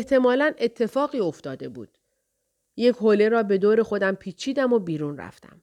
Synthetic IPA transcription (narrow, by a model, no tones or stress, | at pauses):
eht̪ʰe̞mɒːlæne̞t̪ʰːe̞fɒːɣiːo̞ft̪ɒːd̪e̞bṵːd̪̥ | je̞cʰhole̞ɾɒːbe̞d̪oːɾe̞xo̞d̪æmpʰiːt͡ʃʰiːd̪æmobiːɾunræ̰ft̪æ̰m